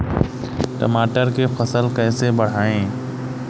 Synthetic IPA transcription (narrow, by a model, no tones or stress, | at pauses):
ʈə̰maːʈəɾkefɐsəlkɛːsebɐɽ̤aːẽː